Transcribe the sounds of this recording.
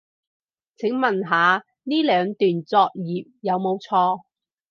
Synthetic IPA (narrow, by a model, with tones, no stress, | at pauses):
t͡sʰɪ˨˥ŋmɐ˨˩nɦaː˨˧ | niː˥lœː˨˧ŋt̪yː˨˩nt͡sɔː˧k̚jiː˨p̚jɐ˨˧wmo˨˧wt͡sʰɔː˧